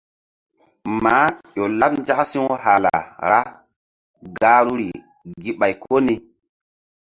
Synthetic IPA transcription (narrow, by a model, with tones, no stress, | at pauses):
ma˨˦jo˨lːa˦p̚n˦d͡ʒa˦ksi˦ŋ˦ɦa˨la̰˨ɾa˦ | ɡa˦ɾu˦ɾi˨ | ɡi˨ɓa˨jkʰo˦ni˦